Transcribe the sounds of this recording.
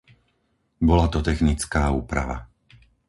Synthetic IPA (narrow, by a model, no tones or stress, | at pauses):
bɔlat̪ɔt̪ɛxnit͡skaːuːpɾa̰ʋa